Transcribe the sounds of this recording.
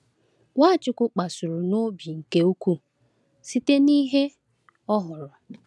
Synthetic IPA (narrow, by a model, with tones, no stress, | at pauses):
wʷa˦˨t͡ʃɪ˦kʊ˦k͡pa˨sʊ˨ɾʊ˨no˦bi˨ŋ̩˨ke˦u˦kʷu˦ | si˦te˦ni˦ɦe˦ | ɔ˦ɦʊ˨ɾʊ˨